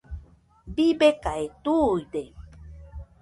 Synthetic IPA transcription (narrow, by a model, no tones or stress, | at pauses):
bibekaet̪ujd̪e